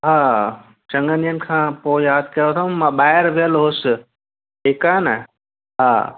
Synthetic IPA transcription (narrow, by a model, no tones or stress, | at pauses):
ɦa | t͡ʃɐ̃ŋɡənjən̆kʰãːpoːjaːd̪̚kɐjot̪ʰãmãɓaːjɾʋeəlɦos | eːkanɐ | ɦa